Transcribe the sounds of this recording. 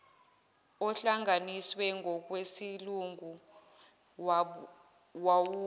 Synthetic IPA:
ɔɬaŋaniswɛŋɡʱɔk̬ʼwesiluŋu | wawu

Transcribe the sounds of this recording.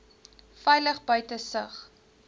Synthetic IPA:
fɛjləχbœɥtəsəχ

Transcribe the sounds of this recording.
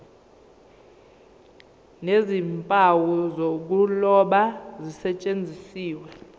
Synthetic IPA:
nezimpʼawuzok̬ulɔɓazisɛt͡ʃʼend͡zʱisiːwɛ

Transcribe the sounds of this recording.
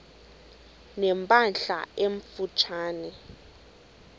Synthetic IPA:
nɛmpʼanɬa̰eɱfut͡ʃʰaːnɛ

